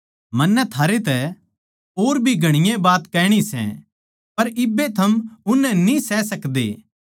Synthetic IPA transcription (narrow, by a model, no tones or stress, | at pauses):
mɐnːɛt̪ʰaːɾet̪ɛ | oːɾbʱiɡʱɐɽ̃ɪjẽbaːt̪kɛːɽ̃isɛ̰̃ | pɐɾɪbːet̪ʰɐmʊnːɛnĩsɛːsɐkd̪ḛː